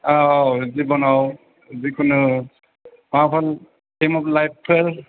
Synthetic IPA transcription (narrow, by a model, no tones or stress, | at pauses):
azibɔnaw | zikʰɯnɯ | mapʰal | kemɔplajp̚pʰeɾ